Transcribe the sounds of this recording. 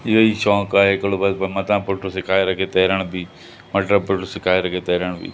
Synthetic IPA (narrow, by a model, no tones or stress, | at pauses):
ɪoiʃɔ̃ːkaːɦekəlobəd̪bəmɐt̪ãːpʊʈosɪkʰaːeɾəkʰet̪eːɾəɽ̃bʱiː | məʈɾəpʊʈosɪkʰaːeɾəkʰet̪eːɾəɽ̃bḭː